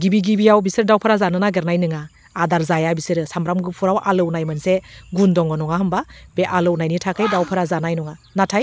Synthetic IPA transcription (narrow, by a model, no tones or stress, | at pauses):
ɡibiɡibijawbisɯɾdawpʰɯɾazanɯnaɡɯɾnajnɯŋaː | daɾzajabisɯɾsamɾamɡɯpʰuɾawʔalɯwnajmɯnseɡundɔŋɡɔnɔŋaɦɯmbab̥eʔalɯwnajnitʰakʰɯjdawpʰɯɾazanajnɔŋanatʰaj